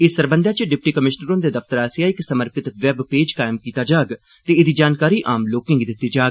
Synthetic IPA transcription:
ɪsəɾbə̃nd̪jaːt͡ʃɖɪp̚ʈiːkəmɪʃnəɾõnd̪eːd̪əfʰt̪əɾaːsãɪksəməɾpɪt̪ʋɛbpeːd͡ʒkaːɪmkiːt̪aːd͡ʒaːɡ | t̪eːɪd̪iːd͡ʒaːnkaːɾiːʔaːmloːkɪ̃ŋɡd̪ɪt̪ːiːd͡ʒaːɡ

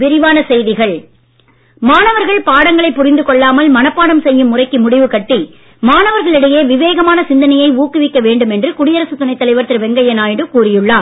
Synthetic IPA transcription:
ʋɪɾɪʋaːnɐsɛjðɪɣɐɭ | maːnɐʋɐɾɣɐɭpaːɽɐŋɡɐɭɐɪpːʊrɪnd̪ɯkɔɭːaːmɐlmɐnɐpːaːɽɐmsɛjːɯmːʊrɐɪkːɯmʊɽɪʋɯkɐʈːi | maːnɐʋɐɾɣɐɭɪɽɐjeːʋɪʋeːɣɐmaːnɐsɪnd̪ɐnɐjɐɪuːkːɯʋɪkːɐʋeːɳɖɯmɛndrɯkʊɽɪjɐɾɐsɯt̪ʊnɐɪt̪ːɐlɐɪʋɐɾt̪ːɪɾʋɛŋɡɐjɐnaːjɪɽɯkuːrɪjɯɭːaː

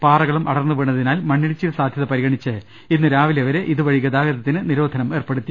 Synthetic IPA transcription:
paːrɐɣɐɭumʔɐɽɐrnːuʋiɳːɐðinaːlmɐɳːiɭit͡ɕːilsaːd̪ʱjɐðɐpɐɾiɣɐɳit͡ɕːɨ | inːɨɾaːʋileʋɐɾe̞ʔiðuʋɐɻiɣɐd̪aːɣɐðɐt̪ːinɨniɾo̞ːd̪ʱɐnɐme̞ːrpe̞ɽut̪ːi

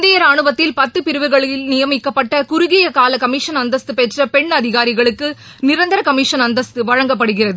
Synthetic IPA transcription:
nd̪ɪjɐɾaːɳɯbɐt̪ːɪlpɐt̪ːɯpɪɾɯʋɯɣɐɭɪlnɪjɐmɪkːɐpːɐʈːɐkʊɾʊɣɪjɐkaːlɐkɐmiːʂɐnɐnd̪ɐst̪ɯpɛʈrɐpɛɳɐðɪɣaːɾɪɣɐɭɯkːɯ | nɪɾɐnd̪ɐɾɐkɐmiʂɐnɐnd̪ɐst̪ɯʋɐɻɐŋɡɐp̬ːɐɽɯɣɪrɐðɯ

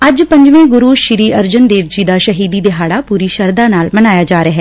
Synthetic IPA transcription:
əd͡ʒpə̃ɲd͡ʒʋẽːɡʊɾuːʃɪɾiːʔəɾd͡ʒənd̪eːʋd͡ʒiːd̪aːʃəɦiːd̪iːd̪ɪɦaːɽaːpuːɾiːʃəɾd̪aːnaːlmənaːjaːd͡ʒaːɾeɦɛː

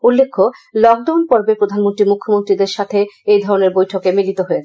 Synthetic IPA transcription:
ulːekʰːolɔk̚ɖawnpɔɾbepɾod̪ʱanmont̪ɾimukʰːomont̪ɾid̪eɾʃat̪ʰeejd̪ʱɔɾoneɾbojʈʰokemilit̪oɦoe

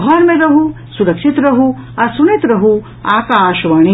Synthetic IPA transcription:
ɦɔːɾmẽɾɐɦu | suɾɐkʃit̪ɾɐɦu | ɐɾsunit̪ɾɐɦu | aːkaːʃʋaːɳ̃i

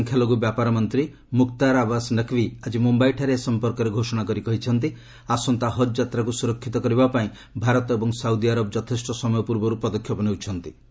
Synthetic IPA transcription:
ŋkʰjalɔɡubjapaɾɔmɔnt̪ɾi | mukt̪aɾabasnəkʰʋiad͡ʒimumbajʈʰaɾesɔmpɔɾkɔɾeɡʱosɔɽ̃akɔɾikɔɦit͡ʃʰɔnt̪̬i | asɔnt̪aɦɔd͡ʒd͡ʒat̪ɾakusuɾɔkʰːit̪ɔkɔɾibapaĩ | bʱaɾɔt̪ebɔŋsawd̪iaɾɔbɔd͡ʒɔt̪ʰesʈɔsɔmɔjɔpuɾbɔɾupɾɔd̪ɔkʰːjɔpɔnewt͡ʃʰɔnt̪i

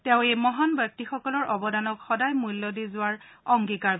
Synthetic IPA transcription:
tɛʊ̃ejmɔɦanbak̚tixɔkɔlɔɹʔɔbɔdanɔkxɔdajmulːɔdizʊaɹɔŋɡikaɹ

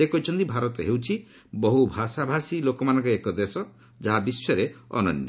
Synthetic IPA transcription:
ekɔt͡ʃʰɔnt̪ibʱaɾɔt̪ɔɦewt͡ʃʰi | bɔɦubʱasabʱasilokɔmanɔ̃ŋkɔekɔd̪esɔ | d͡ʒaɦabisːɔɾeɔ̰nɔ̰njɔ

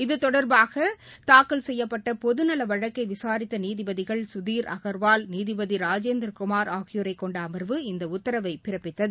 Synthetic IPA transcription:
ɪðɯt̪ɔɽɐɾbaːɣɐt̪aːkɯlsɛjːɐpːɐʈːɐpɔðɯnɐlɐʋɐɻɐkːɐɪʋɪsaːɾɪt̪ːɐniːðɪbɐðɪɣɐɭsʊðiːɾʔɐ̰ɣɐɾʋaːlniːðɪbɐðiɾaːd͡ʒeːnd̪ɾkʊmaːɾaːɣɪjʊɾɐɪkːɔɳɖɐːmɐɾʋɯɪnd̪ɐʊt̪ːɐɾɐʋɐɪpɪɾɐpːɪt̪ːɐðɯ

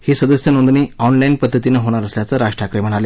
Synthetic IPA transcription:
hiːsəd̪əsjənond̪niːɔnlainpəd̪ʱːət̪inəɦoɽ̃aɾəsljat͡səɾaʂʈɾakɾem̤əɽ̃ale

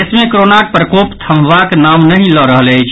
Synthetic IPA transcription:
smẽkɾonak̚pɾəkopt̪ʰəmʋaknamnəɦĩlɔɾəɦələjt͡ʃʰ

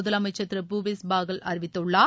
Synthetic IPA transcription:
ʊðɐlɐmɐɪt͡ʃːɐt̪ːɪɾɐpuːʋesbaːɣɐlʔɐɾɪʋɪt̪ːɯɭːaː

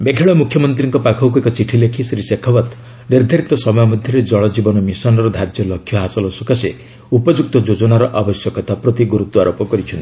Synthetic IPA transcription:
beɡʱeɭɔmukʰjɔmɔnt̪ɾiŋkɔpakʰɔwkuekɔt͡ʃiʈʰilekʰisɾisekʰɔbat̪ | neɾd̪ʱɔɾit̪ɔsɔmɔjɔmɔd̪ʱjɔɾed͡ʒɔɭɔd͡ʒibɔnɔmisɔnɔɾɔd̪ʱaɾd͡ʒjɔlɔkʰjɔɦasɔlɔsukase | upɔd͡ʒuk̚t̪ɔd͡ʒod͡ʒɔnaɾɔʔabɔsjɔkɔt̪apɾɔt̪iɡuɾut̪ːɔaɾopɔkɔɾit͡ʃʰɔnt̪i

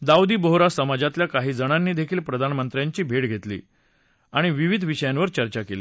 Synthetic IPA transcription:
d̪awd̪iːboɦɾasəmad͡ʑat̪ljakaɦiːd͡zəɽ̃anːiːd̪ekʰiːlpɾəd̪ʱanmənt̪ɾjaɲt͡ɕiːbʱeɽɡʱet̪lḭː | aɽ̃iʋiʋid̪ʱʋiɕəjanʋəɾt͡ɕəɾt͡ɕakeli

